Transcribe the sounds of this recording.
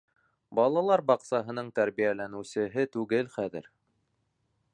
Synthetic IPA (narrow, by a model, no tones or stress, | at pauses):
bɑlˠɑlˠɑɾbɑqsɑɦɤ̆nɤɴt̪æɾβijælænɘ̆sɘ̆ɦɘt̪ʉɡɘlχæðɘ̰ɾ